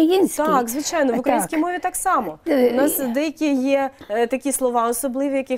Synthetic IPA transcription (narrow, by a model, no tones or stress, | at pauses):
ɐjinʲt̪ɑkzʋɪt͡ʃɑjnɔʋʊkɾɐjinskʲijmɔʋʲit̪ɑksɑmɔʊnɑsd̪ɛjɐkʲijɛt̪ɐkʲislˠɔʋɑɔsɔblˠɪʋʲijɐkʲɪ